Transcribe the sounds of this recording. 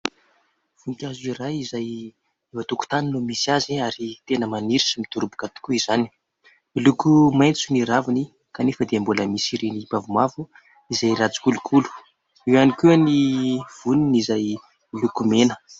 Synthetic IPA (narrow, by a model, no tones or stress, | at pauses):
v̥uŋkʲazirajizaj | evat̪uku̥t̪aninumisiaziaɾit̪enəmaniɾi̥simit̪uɾubu̥kat̪u̥kʲuiz̥ani̥ | ilukumajnt͡suniɾavuni | kanefəd̪eambuləmisiɾinipavumavu | izajɾat͡su̥kulukʰulu̥ | ewanikuaniv̥uninizaj | ilukumenə̥